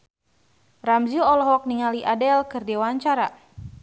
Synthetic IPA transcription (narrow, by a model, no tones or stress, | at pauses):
ramzuɔlɔɦɔk̚niŋaliʔadɛlkɨrdewaɲt͡ʃaɾa